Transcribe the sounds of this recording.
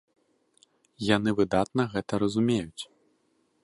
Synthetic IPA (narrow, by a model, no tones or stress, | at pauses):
janɨvɨd̪at̪̚nɐɣɛt̪ɐɾɐzumʲejut͡sʲ